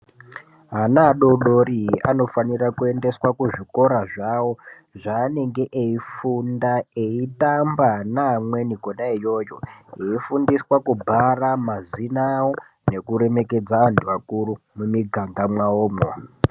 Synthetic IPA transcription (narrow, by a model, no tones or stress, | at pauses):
ɦanaɗo̞ɗo̞ɾiɦano̞fanirakue̞nde̞swakuʐiko̞ɾaʐawo̞ | ʐaːne̞ŋɡe̞ʔeifundaeitambanamwe̞niɡʱonaijo̞joeifundiswakubʱaramazinawo | ne̞kuɾe̞me̞ke̞d͡zaʋantʰuʋakurumumiɡʱaŋɡamwaoːmo